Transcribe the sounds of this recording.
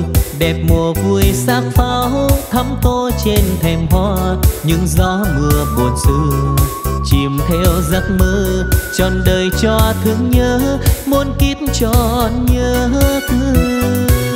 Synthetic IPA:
ɗɛ˨˩p̚mo˨˩əvu˧˩əjsaː˦˥k̚faː˧wt̪ʰə˨˧˦mt̪o˧t͡ɕe˧nt̪ʰɛ˨˩mɦwa˧˥ɲɨ̰˧˥ŋzɔ˧˦mɨ˨˧˩əɓo˨˩ənsɨ˧˦ | t͡ɕi˨˩mt̪ʰɛ˧wza˦˥t̚məː˧˥t͡ɕɔ˨˩nɗəː˨˩jt͡ɕɔ˧t̪ʰɨ˨˧˦əŋɲəː˧˦mo˧˦nki˦˥ət̚nt͡ɕɔ˧˩ɲəː˧˦t̪ʰɨ˧˦

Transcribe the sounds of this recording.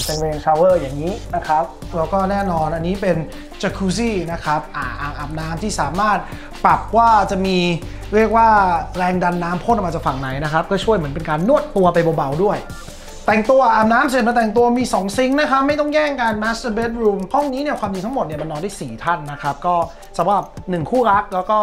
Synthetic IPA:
se˧weː˧nsʰaː˧wɤː˥˩jaː˨˩ŋːiː˦˥na˦˥kʰɾa˦˥p̚ | ɾɛː˦˥wkɔː˥˩nɛː˥˩nɔː˧nʔa˧nːiː˦˥pe˧n | t͡ɕa˧kʰuː˧s̬iː˥˩na˦˥kʰɾa˦˥p̚ʔaː˨˩ʔa̰ː˨˩ʔaː˨˩p̚naː˦˥mt̪ʰiː˥˩saː˩˦maː˥˩t̪̚ | pɾa˨˩p̚waː˥˩t͡ɕa˨˩miː˧ | ɾi˥˩ək̚waː˥˩ɾɛː˧ŋda˧nːaː˦˥mpʰo˥˩nʔma˧t͡ɕaː˨˩kfa˨˩ŋna˨˩˦jna˦˥kʰɾa˦˥p̚kɔː˥˩t͡ɕʰu˥˩jmɯ˩˦npe˧nkaː˧nːu˥˩ət̪ːu˧ɐpa˧jbɔː˧ba˧wdu˥˩əj | t̪ɛ˨˩ŋt̪u˧ɐʔaː˨˩p̚naː˦˥mse˨˩ma˧t̪ɛː˨˩ŋt̪̬u˧ɐmiː˧sɔː˩˦ŋsi˦˥ŋna˦˥kʰa˦˥p̚ma˥˩jt̪ɔ˥˩ŋjɛː˥˩ŋkaː˧nmɛ˦˥sa˧be˦˥t̪̚ɾuː˧mhɔ˥˩ŋniː˦˥ni˥˩ɐkʰwaː˧mdi˧t̪ʰa˦˥mo˨˩t̪̚ni˥˩ɐma˧nːɔː˧nduː˥˩siː˨˩t̪ʰa˥˩nːa˦˥kʰɾa˦˥p̚kɔː˥˩ | sʰa˨˦ba˨˩p̚nɯ˨˩ŋkʰuː˥˩ɾa˦˥k̚lɛː˦˥wkɔː˥˩

